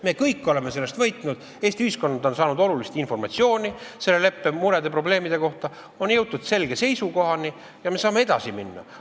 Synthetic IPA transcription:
me̞ːkɤjkːˑo̞le̞me̞se̞lːest̪vɤjt̪ˑnud̪̥ | eːsʲt̪iyhisko̞nːɑd̪o̞nsɑːnud̪o̞lulist̪info̞rmɑt̪sio̞ːnʲise̞lːe̞le̞pːemuɾe̞d̪e̞pro̞ble̞ːmid̪̥e̞ko̞ht̪ɑ | o̞njɤwd̪ˑud̪̥se̞lɡ̥e̞se̞jsuko̞ɦɑni | jɑme̞sɑːme̞e̞d̪̥ɑsiminːɑ̰

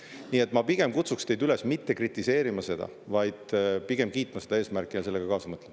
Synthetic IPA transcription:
niːe̞t̪ːˑmɑpiɡ̥e̞mkut̪sukst̪e̞jd̪ylesmit̪ːe̞krit̪ːˑise̞ːɾimɑse̞d̪̥ɑ̰ | vɑjd̪̥piɡ̥emkiːt̪ːˑmɑse̞d̪ɑe̞ːsmærkːˑijɑse̞lːeɡ̥ɑkɑːsɑmɤt̪lem

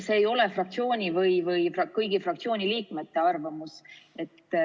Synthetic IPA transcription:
seːjo̞le̞frɑk̚t̪sio̞ːnʲivɯjvɯjfrɑkɤjɡ̥ifrɑk̚t̪sioːnʲiliːkme̞t̪ːe̞ɑrvɑmuse̞t̪ːˑ

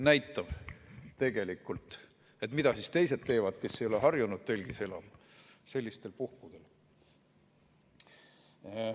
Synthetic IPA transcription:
næjt̪ːˑɑv̥t̪e̞ɡ̥e̞likːˑult̪ˑ | e̞t̪mid̪ɑsist̪e̞jse̞d̪t̪e̞ːvɑd̪̥ke̞sːejo̞leɦɑrjunud̪̥̚t̪e̞lʲɡ̥ise̞lɑm | se̞lʲːist̪e̞lpuhkud̪̥e̞l

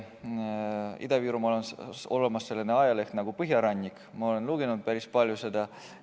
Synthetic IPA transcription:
ḭd̪̥ɑviːɾumoleno̞lemɑsːe̞lːeneɑjɑle̞ht̪nɑɡ̥upɤɦjɑɾɑnʲːikːˑ | mɑo̞le̞nluɡenud̪̥̚pæɾispɑlʲjuse̞d̪ɑ

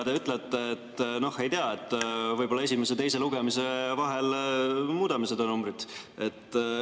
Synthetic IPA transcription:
d̪eyt̪ːˑlet̪ːeːt̪ːno̞he̞jt̪eɑet̪ːˑvɤjbo̞lɑe̞sime̞s̬e̞t̪e̞js̬e̞luɡ̥e̞mise̞vɑɦe̞lmuːd̪ɑmised̪onumbrid̪̥e̞t̪ː

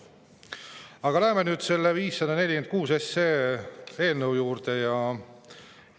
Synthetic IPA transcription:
ɑɡ̥ɑlæɦemenyːd̪̥se̞lːeviːsːɑd̪̥ɑne̞lʲike̞nd̪̚kuːse̞sːeːe̞ːlnəwjuːrdt̪e̞jɑ

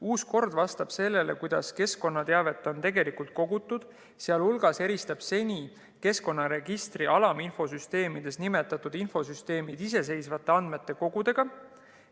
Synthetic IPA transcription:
uːsko̞rd̪vɑst̪ɑb̥se̞lːe̞le̞kujd̪̥ɑ̰ske̞sko̞nːɑt̪eɑve̞t̪ːˑo̞nt̪e̞ɡe̞likult̪̚ko̞ɡ̥ut̪ːˑud̪̥ | seɑlulɡ̥ɑse̞ɾist̪ɑb̥se̞nʲi | ke̞sko̞nːɑɾe̞ɡ̥ist̪riʔɑlɑminfo̞syst̪e̞ːmid̪̥e̞snime̞t̪ːˑɑt̪ːˑud̪̥info̞syst̪e̞ːmid̪̥is̬e̞s̬e̞jsvɑt̪ːˑe̞ɑnd̪̥me̞t̪ːˑe̞ko̞ɡ̥ud̪̥e̞ɡ̥ɑ

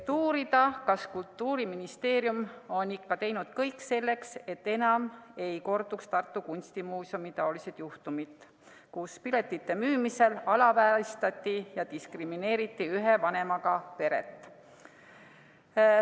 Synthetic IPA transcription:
t̪uːɾid̪ɑkɑskult̪ːuːɾiminist̪e̞ːɾjumo̞nikːɑt̪e̞jnud̪̥kɤjkːse̞lːe̞kse̞t̪ːe̞nɑme̞jko̞rd̪ukst̪ɑrt̪ːukunʲst̪imuːsumit̪ɑolise̞d̪̥juht̪umid̪̥ | kuspile̞t̪ːˑit̪ːe̞myːmise̞lɑlɑvæːst̪ɑt̪ʲːijɑt̪iskrimine̞ːɾit̪ːiyɦevɑne̞mɑɡɑpe̞ɾḛt̪ːˑ

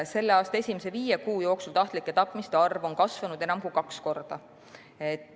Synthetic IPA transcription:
se̞lːeɑːst̪ɑe̞sʲimese̞viːjekuːjo̞ːksult̪ɑht̪ˑlikːˑe̞t̪ɑpːˑmist̪eɑrvo̞nkɑsvɑnud̪e̞nɑmkujkɑksko̞rd̪̥ɑ | et̪ːˑ

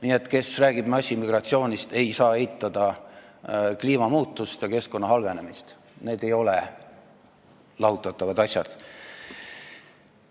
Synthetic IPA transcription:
niːe̞t̪ːˑke̞sræːɡ̥ib̥mɑsʲimiɡ̥rɑt̪sio̞ːnʲist̪e̞jsɑːejt̪ːˑɑd̪̥ɑ | kliːmɑmuːt̪ːˑust̪jɑke̞sko̞nːɑɦɑlve̞ne̞mist̪ | ne̞ːd̪e̞jo̞le | lɑɦut̪ːˑɑt̪ˑːɑvɑd̪̥ɑsʲjɑd̪̥

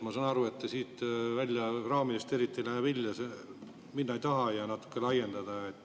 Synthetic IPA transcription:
mɑsɑːnɑɾue̞t̪ːesiːt̪vælʲjɑrɑːmiest̪e̞ɾit̪ːilæhæʋilʲjɑse | minːɑejt̪ɑɦɑjɑnɑt̪ːˑu̥kˑːelɑjend̪ɑd̪̥ɑet̪ːˑ

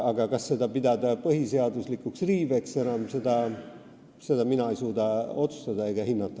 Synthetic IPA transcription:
ɑɡ̥ɑkɑsse̞d̪ɑpid̪ɑd̪ɑpɤɦiseɑd̪uslikːuksriːveksenɑmse̞d̪̥ɑ | se̞d̪ɑminɑejsuːd̪ɑo̞t̪su̥st̪ɑd̪ɑejɡ̥ɑhinːɑt̪ːˑɑ

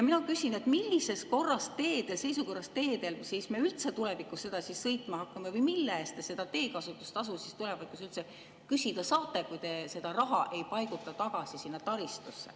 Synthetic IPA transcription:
jɑminɑkysʲine̞t̪milʲːise̞s̚ko̞rːɑst̪e̞ːd̪̥e̞lse̞jsuko̞rːɑst̪e̞ːd̪e̞lsisme̞ːylt̪se̞t̪ulɛvikˑusse̞d̪̥ɑsissɤjt̪ˑmɑhɑkˑːɑmevɯjmilːæːst̪ese̞d̪ɑt̪e̞ːkɑsut̪ːˑu̥st̪ɑs̬usist̪ulɛ̞vɑd̪̥kusylt̪se | kysʲid̪̥ɑsɑːt̪ˑːekujt̪e̞se̞d̪̥ɑɾɑɦɑʔe̞jpɑjɡut̪ːˑɑt̪ɑɡ̥ɑsisinːɑt̪ɑɾist̪usːe̞̰

